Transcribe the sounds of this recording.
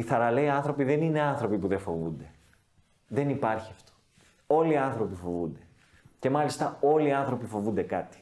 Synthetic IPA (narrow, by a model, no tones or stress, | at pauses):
iθɐɾɐleiɐnθɾo̞piðe̞nine̞ɐnθɾo̞pipuðe̞fo̞vṵnd̪e̞ | ðe̞nipɐɾçiɐft̪o̥ | o̞liɐnθɾo̞pifo̞vund̪e̞ | ce̞mɐlist̪ɐo̞liɐnθɾo̞pifo̞vund̪ekɐt̪i̥